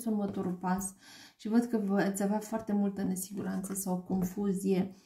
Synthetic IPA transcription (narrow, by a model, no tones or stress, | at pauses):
sunmət̪oɾupas | ʃivəd̪kəvat̪sʲaveafoart̪e̞mult̪əne̞siɡuɾant̪səsawko̞nfuzije̞